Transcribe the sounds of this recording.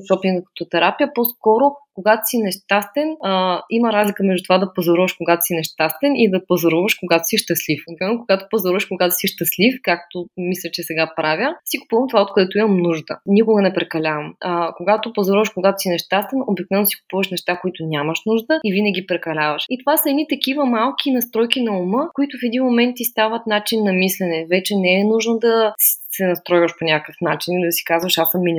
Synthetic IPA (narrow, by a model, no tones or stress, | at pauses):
sɔpiɡ̪əkə̥t̪ot̪ɛɾapijəposkɔɾʊkoɡat̪o̥sinɛʃt̪ast̪ɛniməɾazlʲikəmɛʒd̪ut̪ovad̪ɐpozɐɾuvəʃkoɡat̪o̥sinɛʃt̪ast̪ɛnid̪ɐpozɐɾuvəʃkoɡat̪o̥siʃt̪əslifd̪mɛnːokoɡat̪o̥pozoɾuvəʃkoɡat̪o̥siʃt̪əslifkak̚t̪omislʲət͡ʃɛsɛɡapɾavʲjəsikʊ̥puvəmt̪ovaot̪̚koɛt̪oʊiməmnuʒd̪ə̰nʲikʊɡənɛpɾɛkɐlʲavɐməkoɡat̪opozɔɾuvəʃkoɡat̪o̥sinɛʃt̪ast̪ɐnobik̚novɛnosi̥kʊ̥puvəʃnɛʃt̪akoit̪ʊnʲaməʃnuʒd̪əivinəɡʲipɾɛkɐlʲavəʃit̪ovasəɛd̪nit̪ɐk̟ivəmalˠk̟ʲinɐst̪ɾɔjkinɐuməkoit̪ʊfɛd̪inmomɛnt̪ist̪avət̪nat͡ʃinːɐmislʲɛnɛvɛt͡ʃɛnɛɛnuʒnod̪ɐssɛnɐst̪ɾɔjvəʃponʲakəfnat͡ʃinid̪ɐsi̥kazvəʃasəmːinʲi